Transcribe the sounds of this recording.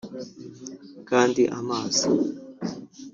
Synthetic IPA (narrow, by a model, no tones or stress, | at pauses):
kantiʔa̰maːsa